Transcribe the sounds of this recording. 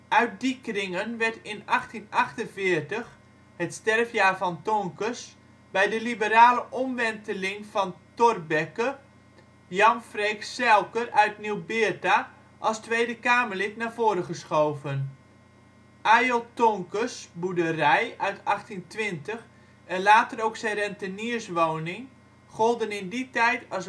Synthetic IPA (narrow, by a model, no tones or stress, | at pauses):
ʔœɥt̚dikrɪŋənʋɛɹtɪnaxtinɑχtənvɪːərtəx | hətstɛrfjaːvɔntɔŋkəs | bɛjdəlibəɾaːləʔɔmʋɛntəlɪŋfɔntɔrbɛkə | jɑmfreksɛlˠkərœɥtniwbɪta | ʔɑlˠstʋejdəkaːmərlɪtnaːvoːɾəχəsχowvən | ʔajolˠtɔŋkəsbudərɛjœɥtʰɑχtintʋɪntəx | ɛnlaːtəɾowksɛjrɛntəniərsʋownɪŋ | χɔlˠdənɪnditɛjtɑs